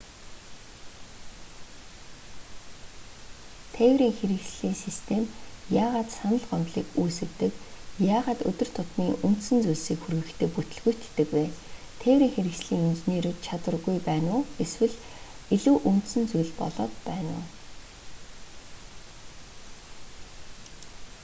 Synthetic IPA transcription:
t̪ʰæːwɾiːŋxeɾɘ̆kt͡ɕɮiːŋsist̪ʰemjaːʁaːt̪sanə̆ɮɢœmt̪ɮiːkuːsɘ̆kt̪ɘ̆kjaːʁaːt̪ɵ̰t̪ɵ̆r̥t̪ʰʊt̪niːʔun̥t̪sɘ̆nt͡sujɮsiːkxurɣɘ̆kt̪ʰɘ̆ːk̚put̪ɵ̆ɮɣujt̪ʰːɘ̆kweː | t̪ʰæːwɾiːŋxeɾɘ̆kt͡ɕɮiːŋemt͡ɕneːɾɘ̆t̪̚t͡ɕʰat̪wə̆rɣujpæːnʊːeswɘ̆ɮ | iɮuːʔun̥t̪sɘ̆nt͡sujɮpɔ̰ɮɔːt̪pæːnʊ̰ː

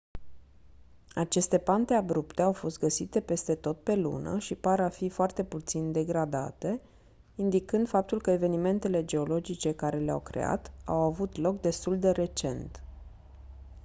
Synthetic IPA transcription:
at͡ʃe̞st̪e̞pant̪e̞abɾupt̪e̞awfo̞st̪̚ɡəsit̪e̞pe̞st̪e̞t̪o̞t̪̚pe̞lṵnə̰ʃipaɾafifoart̪e̞put̪sind̪e̞ɡɾad̪a̰t̪e̞ | ind̪ikɨnd̪fap̚t̪ulkəe̞ve̞nime̞nt̪e̞le̞d͡ʒe̞o̞lo̞d͡ʒit͡ʃe̞kaɾe̞lea̰wkɾe̞̰a̰t̪a̰wavut̪lo̞k̚d̪e̞st̪uld̪e̞ɾe̞t͡ʃe̞̰nt̪

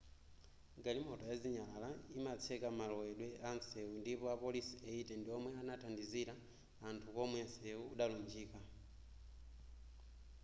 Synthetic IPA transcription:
ɡalimɔtɔjaziɲaalaimat͡sʰɛkamalɔwɛɗwɛʔansɛundipɔapɔlisiaitɛndiɔmwɛanatʰandiziɾaː | ntʰukɔmwɛnsɛuːɗalund͡ʒiːka

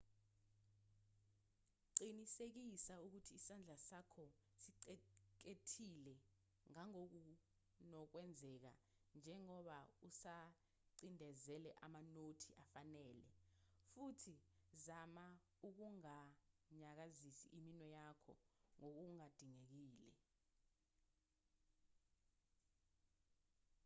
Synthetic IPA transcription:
ǀinisek̬isauk̬utʰiːsand͡ɮʱasakʰɔsiǀɛk̬etʰilɛ | ŋaŋok̬u | nɔk̬wɛnd͡zʱɛk̬a̰ | nd͡ʒʱɛŋɔɓausa | ǀindʱɛzɛlɛʔamanotʰiʔafanɛːlɛ̰futʰizama | uk̬uŋaɲak̬azisḭʔiminwɛjakʰɔ̰ŋok̬uŋad̥ʱiŋek̬iːlɛ̰

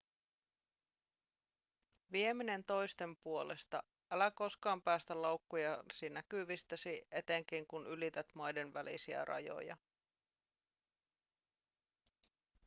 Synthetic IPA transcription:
ʋie̞mine̞nt̪o̞jst̪e̞mpuo̞lest̪ɑ | ʔælæko̞skɑːmpæːst̪ælɑwkːujɑsinækyʋist̪æsiʔe̞t̪e̞ŋk̟iŋkunylit̪et̪mɑjde̞nʋælḭsiæ̰rʔɑ̰jo̞̰jɑ̰

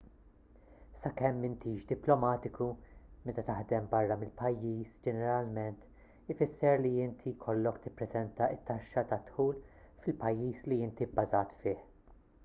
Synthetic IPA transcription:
sɐkɛmːɪnt̪iːʃd̪ɪplɔmɐːt̪ɪkʰumɛt̪ɐt̪ɐħd̪ɛmbɐrːɐmɪlpɐjːiːsd͡ʒɛnɛɾɐlmɛnt̪ | ɪfɪsːɛɾliɪnt̪ʰikʰɔlːɔkt̪ɪpːɾɛzɛnt̪ɐɪt̪ːɐʃːɐt̪ɐt̪ħuːl | fɪlpɐjːiːsliɪnt̪ibːɐzɐːt̪fɪːħ

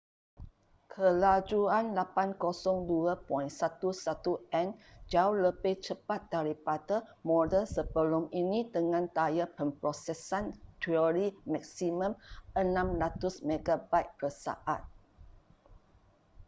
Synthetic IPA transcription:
kʰəlad͡ʒuanlapankosɔŋduəpɔinsat̪usat̪uʔɛnd͡ʒauləbɪht͡ʃəpat̪̚daɾipadamɔdəlsəbəlʊminĩdəŋãnt̪ajapəmpɾɔsɛsantiɔɾimɛk̚simə̃mənãmlat̪ʊsmẽɡabat̪̚bəsa̰ʔat̪̚

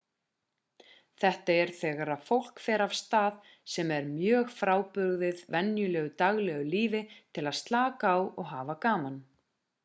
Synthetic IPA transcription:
θɛht̪aɛɾ̥θɛːɣaɾaðfowl̥kfɛːɾav̥st̪aːð | sɛmɛɾmjœːɣfɾaːwpʏɣðɪðvɛnjʏlɛːɣʏt̪aɣlɛɣʏliːvɪt̪ʰɪlaðst̪laːkaːwɔ̰ɣɦaːvakaːman

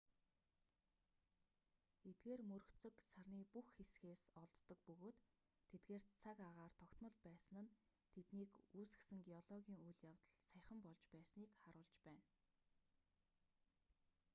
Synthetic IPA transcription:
et̪̚ɡeːrmɵrɵ̆xt͡sɵ̆ksarniːpuxxesxeːsɔɮt̪ːɞ̆k̚pɵɣoːt̪ʰː | et̪ɡeːrt͡sʰakaʁaːrt̪ʰɔkt̪mɞ̆ɮpæːsə̆nə̆n | t̪ʰet̪niːkuːsɘ̥̆xsɘ̆ŋɡiɔɮɔɣʲiːŋujɮjawt̪ə̆ɮsæjχə̆mpɔɮt͡ɕpæːsniːkχaɾʊːɮt͡ɕpæːn

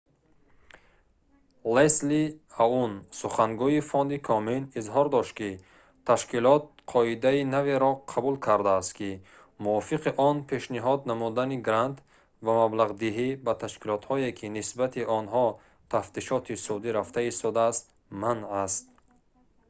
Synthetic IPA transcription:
lesliaunsuχaŋɡuifɔnd̪ikʰɔminizɦɔɾd̪ɔʃt̪ki | t̪ʰaʃkilɔt̪̚qʰɔid̪ainaveɾɔqʰabulkʰaɾd̪aːst̪kʰi | muɔfiqiʔɔnpʰe̞ʃniɦɔd̪namud̪aniɡɾant̪ | vamablaʁd̪iɦibat̪ʰaʃkilɔt̪hɔekʰinisbat̪ʰiʔɔnɦɔ | t̪ʰaft̪iʃɔt̪ʰisud̪iɾaft̪aist̪ɔd̪aːst̪ | manast̪̚

